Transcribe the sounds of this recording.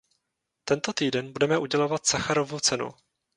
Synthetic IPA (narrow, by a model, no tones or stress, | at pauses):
t̪ɛnt̪o̞t̪iːdɛnbudɛmɛʔuɟɛlovat̪saxaɾo̞vot͡sɛnṵ